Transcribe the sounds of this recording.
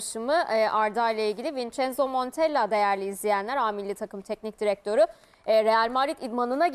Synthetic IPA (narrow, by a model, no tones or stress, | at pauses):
ʃɯmɯʔaɾd̪ajlˠailʲɟilʲivint͡ʃɛnzomo̞nt̪ʰɛlʲːad̪e̞jæɾlʲiːzlʲijænlʲæɾaːmilːʲit̪ʰakɯmt̪ʰɛcnic̚d̪iɾɛk̚t̪ʰø̞ɾu | ɾe̞jalʲmaɾit̪id̪manɯnaɟ